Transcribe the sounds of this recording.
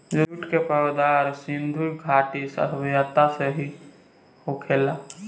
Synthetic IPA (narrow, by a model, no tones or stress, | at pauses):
d͡ʒouʈkepəɾd̪aːɾsɪ̃nd̪ʱujɡʱaːʈisə̰t̪ʰbjat̪aseɦi | hokʰeːla